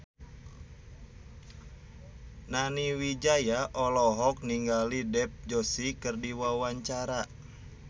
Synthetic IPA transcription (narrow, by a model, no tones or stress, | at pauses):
naniwid͡ʒajaʔɔlɔɦɔk̚niŋɡalidɛp̚d͡ʒosikərdiwawaɲt͡ʃaɾa